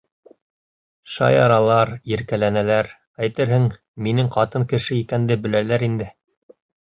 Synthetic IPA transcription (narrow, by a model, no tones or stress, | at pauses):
ʃɑ̰jɑɾɑlˠɑɾjɘ̆ɾkælænælæɾ | æjt̪ɘɾɦɘŋ | minɘŋqɑt̪ɤŋkɘ̆ʃɘikænd̪ɘbɘ̆lælæɾind̪ɘ